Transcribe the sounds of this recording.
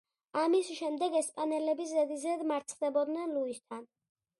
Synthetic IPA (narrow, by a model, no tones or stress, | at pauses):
amisʃɛmd̪ɛɡɛspʼanɛlɛbiszɛd̪izɛd̪maɾt̪sʰd̪ɛbɔd̪nɛnluist̪ʰan